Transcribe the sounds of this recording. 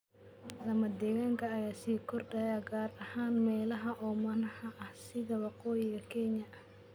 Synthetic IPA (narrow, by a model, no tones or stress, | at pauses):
lɐmɐd̪ɛɣaːŋkʰɐːjaːsiːkʰɔrd̪ɐjaɡaːɾɐhaːnmɛːlɐɦɐʔɔːmɐnɐhɐʔɐhsɪðɐwɑqɔːjɪɣɐkʰɛnɐʔɐh